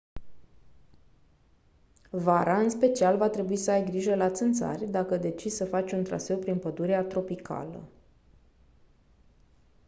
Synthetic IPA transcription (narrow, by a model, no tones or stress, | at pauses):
vaɾaɨnspe̞t͡ʃialvat̪ɾe̞buisəajɡɾiʒəlat̪sɨnt̪sa̰rʲd̪akəd̪e̞t͡ʃissəfat͡ʃʲunt̪ɾa̰se̞wpɾinpəd̪uɾeat̪ɾo̞pikʰa̰lə̰